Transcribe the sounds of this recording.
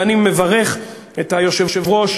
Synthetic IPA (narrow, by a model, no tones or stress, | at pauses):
animːevaʁe̞χ | ethajo̞ʃevʃevʁo̞ʃ